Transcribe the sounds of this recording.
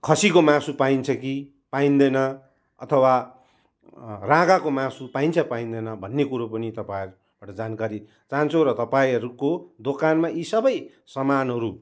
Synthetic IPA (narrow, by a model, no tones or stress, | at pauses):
kʰʌsikomãsupaint͡sʰʌki | paind̪ʌjnʌ | ʌ̰t̪ʰʌwa | raɡakomãsupaint͡sʰʌpaĩnd̪ʌjnʌbʱʌnːekuɾopʌnit̪ʌpajʌɾu | b̥aʈʌd͡zankaɾi | t͡saɦnt͡sʰoɾʌt̪ʌpaĩʌɾukod̪okanmaʔisʌbʌj | sʌmanɦʌɾu